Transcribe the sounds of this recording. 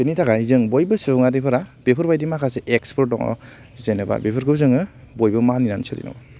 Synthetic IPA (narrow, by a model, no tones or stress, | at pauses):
benitʰaɡazɯŋbojbɯsɯbŋadipʰɯɾabepʰɯɾbajdimakʰaseʔekspʰɔɾ̚dɔ̰ŋɔ̰ | zejnaba̰bepʰɯɾkʰɯbzɯŋɯ | bojbɯmaninansɯɾḭna̰ba